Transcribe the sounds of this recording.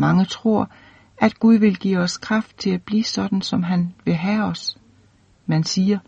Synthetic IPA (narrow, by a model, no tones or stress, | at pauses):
mɑ̈ŋət͡sʰʁo̝ɐ̰ | æd̥ɡ̥uð̞ˠʋe̝lɡ̥ḭːɒ̽skʰʁɑ̈fd̥̚t͡sʰe̝læb̥lḭːsɒ̽d̥n̩sɒ̽mɦænʋe̝ɦæɒ̽s | mænsiːɐ